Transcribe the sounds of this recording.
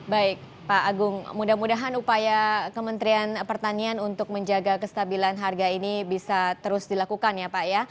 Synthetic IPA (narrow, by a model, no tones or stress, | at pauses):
baɪk̚ | paʔːɡʊŋmudahmudaɦanupajakəmənt̪ɾianpərt̪anianunt̪ʊk̚məɲd͡ʒaɡakəst̪abilanɦarɡainibisat̪əɾʊsdilakukanjapaja